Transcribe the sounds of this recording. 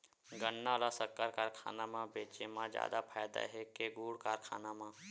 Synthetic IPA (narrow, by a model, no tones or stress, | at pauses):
ɡənːalasəɾkaːɾkaːɾkʰa̰ːnamãbeːt͡ʃemãd͡ʒa̰ːd̪apʰaːjd̪a̰ɦekeɡuːɽkaːɾkʰa̰ːnamãː